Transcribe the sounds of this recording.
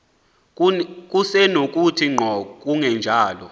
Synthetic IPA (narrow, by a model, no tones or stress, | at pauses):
k̬ʼusɛnok̬ʼutʰiŋ͡ǃʱɔk̬ʼuŋɛnd͡ʒʱaːlɔ